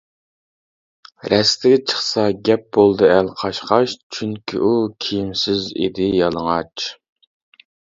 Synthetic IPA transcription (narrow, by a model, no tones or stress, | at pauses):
ɾɛst̪ɪɡʲɛt͡ʃʰə̥χsɑɡʲɛp̚b̥olˠd̪ɨælqʰɑʃqɑʃt͡ʃʰyŋkʲʰḭʔukʲʰijimsɪzḛd̪ɪjɑlˠəŋɑt͡ʃ